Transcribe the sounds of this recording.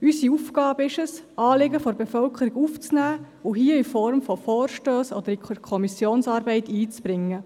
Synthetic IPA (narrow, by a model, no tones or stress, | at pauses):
ysiufɡ̥ɑːbəɪʃəsʔɑːlɪɡəfɔɾbefœlkʰəɾiɡuft͡snæː | ʊɦiəɪfɔɾmfɔfɔːɾʃtøːsɔd̪əɾikʰɔmisjoːnsɑːɾbɛɪt̪iːt͡sb̥ɾɪŋːə